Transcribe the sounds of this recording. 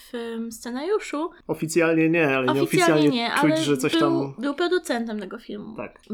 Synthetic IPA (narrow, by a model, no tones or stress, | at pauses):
fmst̪sɛnaɾjuʂu | ɔfʲit̪sʲjalɲɛɲɛalɛɲɲɛɔfʲisjsasljalɲɛɲɛʔt͡ʂaujlɛʐɛt̪sɔɕt̪ambɘwpɾɔd̪ut̪sɛnt̪ɛmt̪ɛɡɔfʲilmṵt̪a̰k